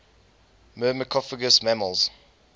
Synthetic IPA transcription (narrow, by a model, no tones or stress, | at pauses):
mɜːməkʰɔfəɡəsmæməlˠz̥